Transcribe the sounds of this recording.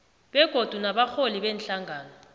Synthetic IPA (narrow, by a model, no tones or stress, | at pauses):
ɓɛɡ̥ʱod̥ʱunaɓaxoliɓɛnɬaŋaːnɔ